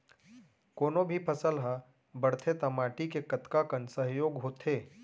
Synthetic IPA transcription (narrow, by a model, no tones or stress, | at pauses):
koːnobʱipʰɐsəlɦa | bɐɽt̪ʰet̪ɐmaːʈikekɐt̪kakənsəɦjoːɡɦoːt̪ʰeː